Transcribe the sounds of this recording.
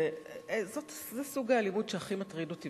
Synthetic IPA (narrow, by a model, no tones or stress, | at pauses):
zotzesuɡaːlimudʃeaχimat̪ʁidoti